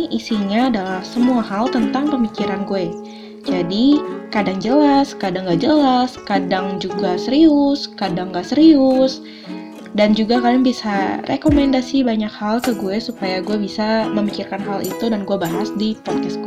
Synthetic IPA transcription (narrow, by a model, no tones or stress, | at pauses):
ʔisiɲaːdalahsəmuaɦalt̪ənt̪aŋpəmikiɾanɡuɛ | d͡ʒadikadaŋd͡ʒəlaskadaŋɡad͡ʒəlaskadaŋd͡ʒuɡasəɾiʊskadaŋɡasəɾiʊs | dand͡ʒuɡakadaŋbisarʔḛkomɛndasibaɲakhalkəɡuesupajaɡuɛbisaməmikirkanɦalḭt̪udanɡuabaɦasdipɔd̚kɛsɡu